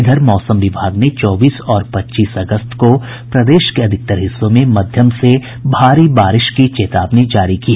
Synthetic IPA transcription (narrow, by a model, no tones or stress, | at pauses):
ɡ̪ʱəɾmɔːsəmʋɪbʱaːɡnet͡ʃɔːbiːsɔːɾpɐtːʃiːsɐɡəst̪ko | pɾɐd̪eːʃkeɐd̪ʱɪk̚t̪əɾɦɪsːõmẽmɐd̪ʱjəmse | bʱaːɾibaːɾɪʃkit͡ʃeːt̪aːbned͡ʒaːɾikiː